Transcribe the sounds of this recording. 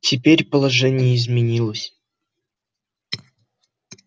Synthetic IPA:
tʲʰɪpʲeɾʲpəlˠaʐɛnʲɪjəizmʲɪnʲilˠəsʲ

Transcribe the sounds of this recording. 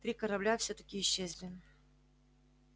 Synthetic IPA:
t̪ɾʲikɐɾɐblʲafsʲɵt̪ə̥kʲɪːɕːezʲlʲɪ

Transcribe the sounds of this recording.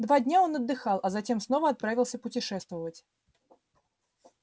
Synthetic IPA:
d̪vadʲnʲaonɐd̪ːɨxɑlˠʔɐzɐtʲe̞msnovəɐt̪̚pɾavʲɪlˠsʲəpʊtʲɪʂɛst̪vəvətʲ

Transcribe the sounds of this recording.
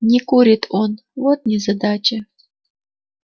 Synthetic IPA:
nʲɪkuɾʲɪt̪ʰon | vot̪̚nʲɪzɐd̪at͡ʃɐ

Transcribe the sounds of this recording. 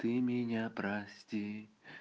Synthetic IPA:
t̪ɨmʲɪnʲapɾasʲtʲi

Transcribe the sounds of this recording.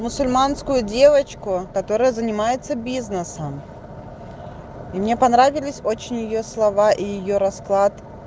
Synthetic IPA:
mʊsʊlʲmanskʊjʊdʲe̞vət͡ɕkʊkɐt̪o̞ɾəjʊzənʲɪmajɪt̪səbʲiznəsəm | imnʲepɐnɾavʲɪlʲɪsʲot͡ɕɪnʲjɪjoslˠɐvaʔijɪjoɾɐsklˠat̪

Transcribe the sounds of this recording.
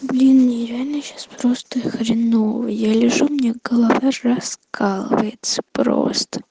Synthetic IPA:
blʲinːəjɪvʲælʲnɨɕaspɾost̪ɨxɾʲɪnovə̰jalʲɪʐumnʲeɡəlˠavaɐskʰalˠə̰vəjɪt̪sə̥pɾo̰st̪ə̥

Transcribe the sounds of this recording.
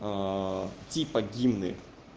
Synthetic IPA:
t̪ʲipɐdʲimnɨ

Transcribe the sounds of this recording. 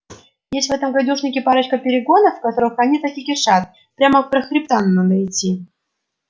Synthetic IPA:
jesʲtʲvɛt̪əmɡajd̪ʲuʂnʲɪkʲɪpaɾət͡ɕkəpʲɪɾʲɪɡonəfkat̪oɾɨxanʲit̪ɐkʲikʲɪʂat̪̚ | pɾʲaməfpɾəxɾʲɪp̚t̪anːad̪əɪtʲːi

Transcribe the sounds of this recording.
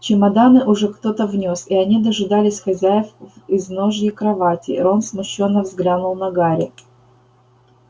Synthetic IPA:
t͡ɕɪmɐd̪anɨʔʊʐɛkt̪ot̪əvnʲosɪɐnʲid̪əʐɨd̪alʲɪsʲxɐzʲæjɪfɪzno̞ʐjɪkɾɐvatʲɪ̰o̞nsmʊɕːo̞nːəvzɡlʲanʊlˠnɐɡaɾʲɪ

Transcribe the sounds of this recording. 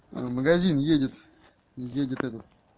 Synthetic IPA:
məɡazʲinjedʲɪt̪ | jedʲɪt̪ɛt̪ət̪̚

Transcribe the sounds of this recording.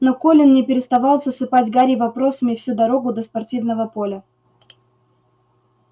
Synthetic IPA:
nokolʲɪnːnʲɪpʲɪɾʲɪst̪ɐvɑlˠzəsɨpatʲɡaɾʲɪvɐpɾo̞səmʲɪfsʲud̪ɐɾo̞ɡʊd̪əspɐrtʲivnəvəpo̞lʲə

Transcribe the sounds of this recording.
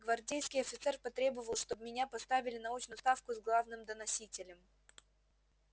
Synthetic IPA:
ɡvɐrdʲejskʲɪjɐfʲɪt̪sɛrpɐt̪ɾʲe̞bəvəlˠʂt̪obmʲɪnʲapɐst̪avʲɪlʲɪnɐut͡ɕnʊst̪afkʊzɡlˠavnɨmd̪ənɐsʲitʲɪlʲɪm

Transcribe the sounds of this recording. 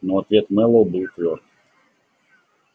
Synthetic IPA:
noɐt̪vʲet̪mɛlˠəlˠbɨlˠt̪vʲort̪

